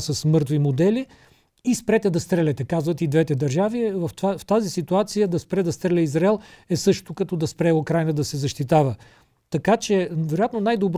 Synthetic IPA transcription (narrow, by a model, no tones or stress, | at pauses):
sɐsmɤɾt̪vimod̪ɛliː | spɾɛt̪ɛd̪ɐst̪ɾɛlʲɛt̪ɛkazvɐt̪id̪vɛt̪ɛd̪ɐɾʒavivɐfft̪azisit̪uat̪sijəd̪ɐspɾɛd̪ɐst̪ɾɛlʲɛizɾaɛlˠɛsɤʃt̪okɐt̪ɔd̪ɐspɾɛokɾajnəd̪ɐsɛzɐʃt̪it̪avə | t̪ɐkat͡ʃɛvɛɾojat̪nonajd̪obɾ